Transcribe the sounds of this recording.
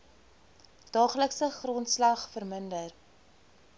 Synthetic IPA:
d̥ɑːχləksəχrɔntslɐχfərməndər

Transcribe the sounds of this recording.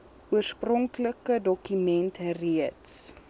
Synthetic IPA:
uərsprɔŋkləkədɔkymɛntriəts

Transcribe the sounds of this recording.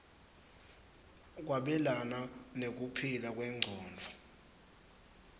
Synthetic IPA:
k̬waɓɛlananek̬upʰilak̬ʼwɛŋ͡ǀʱɔːnd͡ɮʱɔ

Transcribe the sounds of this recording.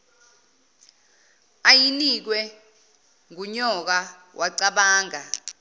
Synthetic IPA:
ajinik̬wɛ | ŋuɲɔk̬a | wʔaǀaɓaːŋa

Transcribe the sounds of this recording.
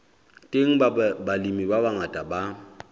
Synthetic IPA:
tʼeŋ̩balimibabaŋatʼaba

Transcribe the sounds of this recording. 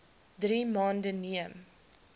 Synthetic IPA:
driːmɑːndəniəm

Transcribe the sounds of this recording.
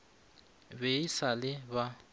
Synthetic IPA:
beisalɪba

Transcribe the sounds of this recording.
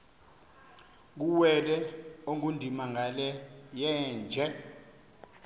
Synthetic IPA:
k̬uwɛlɛoŋundʱimaŋalɛjɛːnd͡ʒʱɛ

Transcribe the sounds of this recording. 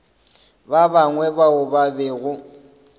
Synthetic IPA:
babaŋwɛbaʊbabɛːɣʊ

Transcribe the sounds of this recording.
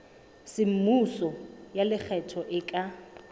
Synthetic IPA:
sɪm̩musɔjalɪk͡xʰɛtʰɔʔɪkʼa

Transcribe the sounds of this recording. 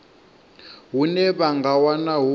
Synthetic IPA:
ɦunɛβaŋɡawanaɦu

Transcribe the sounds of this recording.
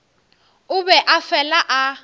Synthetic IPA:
ʊbɛʔafɛlaʔa

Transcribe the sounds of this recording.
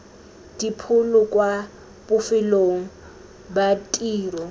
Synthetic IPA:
d̥ipʰʊlʊkʼwa | b̥ʊfɪloŋ̩ | batʼiːrɔ

